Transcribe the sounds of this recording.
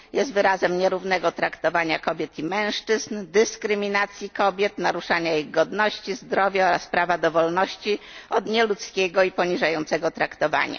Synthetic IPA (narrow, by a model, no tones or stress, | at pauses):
jɛst̪vɘɾazɛmɲɛɾuvnɛɡɔt̪ɾakt̪ɔvaɲakɔbʲjɛt̪imɛ̃w̃ʂt͡ʂɘznd̪ɘskɾɘmʲinat̪sʲjikɔbʲjɛt̪naɾuʂaɲaiɣɡɔd̪nɔɕt͡ɕizd̪ɾɔvʲjaɔɾaspɾavad̪ɔvɔlnɔɕt͡ɕiɔd̪ɲɛlut̪skʲɛɡɔipɔɲiʐajɔnt̪sɛɡɔt̪ɾakt̪ɔva̰ɲa̰